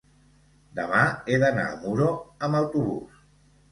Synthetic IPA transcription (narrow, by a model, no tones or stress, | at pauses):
d̪əmaeðəna̰ə̰muɾoəməwt̪uβṵs